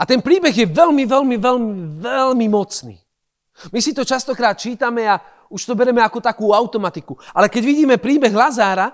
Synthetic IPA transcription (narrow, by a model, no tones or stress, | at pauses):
at̪ɛnpɾiːbɛɣjɛʋɛlmiʋɛlmiʋɛlmiʋɛlmimɔt͡snḭː | misit̪ɔt͡ʃast̪ɔkɾaːt̪̚t͡ʃiːt̪amɛa | uʃt̪ɔbɛɾɛmɛakɔt̪akuːaʊt̪ɔmat̪ikuʔalɛkɛɟʋiɟiːmɛpɾiːbɛɣlazaːɾa